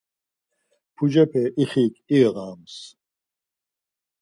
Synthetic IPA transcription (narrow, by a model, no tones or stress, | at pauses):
pʰud͡ʒɛpʰɛʔiχiːkʰʼiɣʁaːms